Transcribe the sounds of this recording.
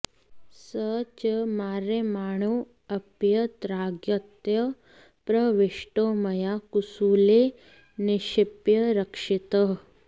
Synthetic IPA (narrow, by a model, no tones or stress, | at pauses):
sət͡ʃɐmaːɾemaːɳ̃u | ɐpjɐt̪ɾaːɡjɐt̪jɐ | pɾɐʋɪʃʈoːmɐjakusuːle | nɪʃɪpjɐɾɐkʂɪt̪əɦ